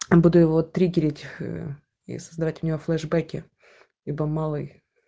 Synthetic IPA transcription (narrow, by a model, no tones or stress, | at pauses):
bud̪ʊjɪvot̪ːɾʲiɡʲɪɾʲɪtʲ | ḭsəzd̪ɐvatʲʊ̥nʲɪvoflˠɛʐbɛkʲɪ | lʲibəmalˠɨj